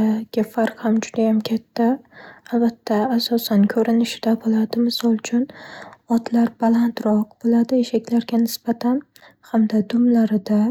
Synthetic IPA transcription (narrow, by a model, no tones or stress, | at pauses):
ɡʲafaɾqhamd͡ʒʊd̪ajamkʲʰat̪ʰːaːlbat̪ʰːaːsɒsankʲʰɵɾɪnɪʃɪd̪abolˠad̪ɪmɪsɒlˠt͡ʃʰʊnɒt̪ʰlaɾbalˠant̪ɾɒqbolˠad̪ɪeʃakʲlaɾɡʲanɪsbat̪ʰan | hamd̪ad̪ʊmlaɾɪd̪a